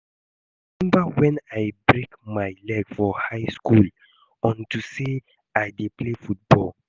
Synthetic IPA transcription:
imɛ̃mbawɛ̃najbɹekmajlɛɡfɔhaɪskul | ɔ̃ntuse | ajdeplefut̚bɔ̰l

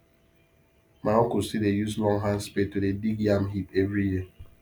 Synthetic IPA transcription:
maɔkusidejuslɔŋɦãnspetodediɡiamɦipevɾiji

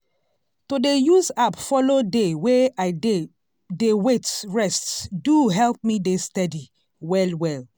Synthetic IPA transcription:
todejuzapfɔlodeweaɪde | dewetɹɛstduɦɛlp̚midestɛdi | wɛlwɛl

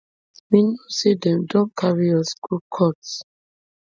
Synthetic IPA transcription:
minosidɛ̃mdɔ̃nkʰaɹijɔskukʰɔts

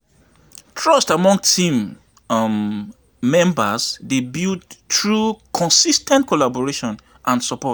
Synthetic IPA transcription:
tʰɹɔstamɔ̃ŋtʰĩm | ɛ̃mbasdebildtɹukʰɔ̃nsistɛ̃ntkʰɔlabɔɹeʃɔ̃n | ʔãnsɔpɔt

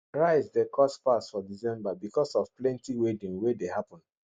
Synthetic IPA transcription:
ɹaɪzdekʰɔspasfɔdizɛ̃mbabikɔsɔfplɛ̃ntiwedĩŋwedehapɔ̃n

